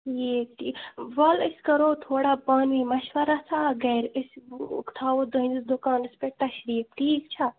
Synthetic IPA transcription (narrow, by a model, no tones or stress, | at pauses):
jeːʈiʋɐləsʲkɐɾoːt̪ʰoːɽapɐnʋimɐʃʋɐɾasaːɡɐjɾəsʲkt̪ʰaːʋod̪ɐĩnd̪isd̪ʊkaːnɨspeʈːaʃɾiːp̚ʈʰiːkt͡ʃʰa